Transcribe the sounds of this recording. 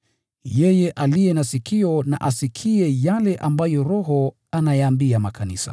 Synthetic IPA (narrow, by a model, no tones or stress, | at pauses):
jɛjɛʔalijɛnasikiɔna̰ʔasikʰiɛjalɛʔambajɔɾɔɦɔ | anajaːmbiamakʰanisa̰